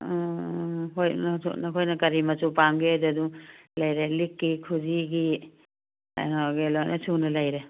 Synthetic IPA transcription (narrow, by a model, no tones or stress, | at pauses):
ɦojnʰṵnɐkʰojnɐkɐɾimɐsupamɡiajdadulɐjɾelikːikʰuziɡi | a̰nɔɡelojnʔɐsunɐlajɾe